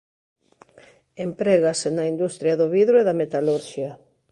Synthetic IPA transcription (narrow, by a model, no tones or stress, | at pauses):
empɾeɣasenaind̪ust̪ɾjaðʊβiðɾʊeðamet̪aluɾʃja